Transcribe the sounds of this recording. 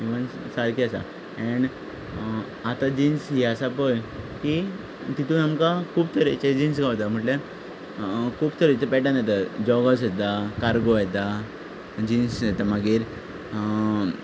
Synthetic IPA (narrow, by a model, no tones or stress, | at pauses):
iʋənsaɾkiasa̰ | ɛɳ | at̪ad͡ʑinsɦiasapəjki | t̪it̪ũːnamkakʰuːb̚t̪ʰəɾet͡ɕed͡ʑins̬ɡaʋt̪am̤əʈlja | kʰuːbt̪ʰəɾet͡səpɛʈãnjɛt̪̬ad͡ʑɔɡasɛt̪̬akaɾɡojɛt̪a | d͡ʑinsɛt̪amaɡiːɾ